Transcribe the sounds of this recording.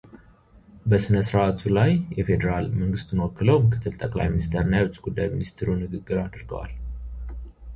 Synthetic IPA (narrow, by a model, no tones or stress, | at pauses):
bəsɨnəsɾat̪ʰulajjɛfed̪əɾalməŋɡɨst̪ɨnəwɔkːɨləwmɨkʰɨ̥t̪ʰːɨlt̪ʼəkʼla̰jminist̪ʰeɾɨnːajɛwt͡ʃʼɡ̥ud̪ːajminist̪ʰɾunɨɡɨɡːɨɾad̪ɾɡəwa̰l